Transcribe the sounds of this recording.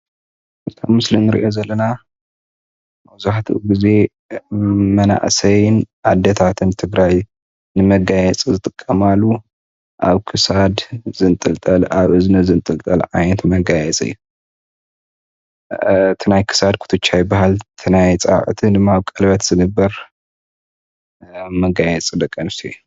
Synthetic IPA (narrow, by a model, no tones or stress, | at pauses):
ʔɨt̪ʰamɨslinːɨɾḭʔo̞zɐlːɐna | mɐβzuħt̪ʰuʔɡize̞ | mɐna̰ʔsɐjnʕad̪ːɐt̪ʰat̪ʰɨnt̪ʰɨɡɾaj | nɨmɐɡajɛt͡sʼizɨt̪ʼɨkʼːɐmalːu | ʔaβkʰɨsad̪zɨnt̪ʼɨlt̪ʼɐlaβɨznɐzɨnt̪ʼɨlt̪ʼɐlʕa̰jnɐt̪mɐɡajɛt͡sʼɨ̰jːu | t̪ʰɨnajkʰɨ̥sad̪̚kʰu̥t̪ʰɨt͡ʃːajɪbahalt̪ʰɨnajt͡sʼa̰ʕt̪ʰinɨmaβkʼɐlbɐt̪z̥ɨnɨbːɐɾ | mɐɡajɛt͡sʼid̪ɐkʼːɐmsḭj